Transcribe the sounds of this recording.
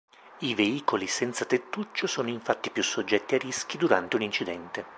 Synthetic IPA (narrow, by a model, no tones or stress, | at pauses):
iveiːkolisɛnt̪sat̪et̪ːut͡ʃːosoːnoiɱfat̪ːipjusːod͡ʒːɛt̪ːiarːisk̟id̪uɾant̪eunint͡ʃid̪ɛnt̪e